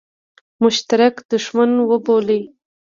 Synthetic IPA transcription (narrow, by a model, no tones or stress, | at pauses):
mʊʃt̪aɾakd̪̥əʒmanwəbolej